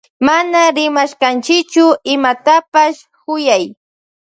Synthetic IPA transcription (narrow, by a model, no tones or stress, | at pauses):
manaɾɪmaʃkant͡ʃɪkt͡ʃʊɪmat̪apaʃ | kʊjaj